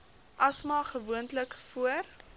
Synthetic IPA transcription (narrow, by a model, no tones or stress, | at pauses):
ʔɐsmɑːχəvuəntləkfuər